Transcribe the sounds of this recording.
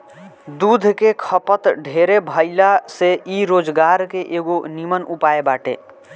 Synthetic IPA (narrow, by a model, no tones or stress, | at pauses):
d̪ud̪ʱkekʰəpət̪ɖʱeɾebʱəɪlaseiɾoːd͡ʒɡaɾkeʔeɡonimənupaebaːʈḛ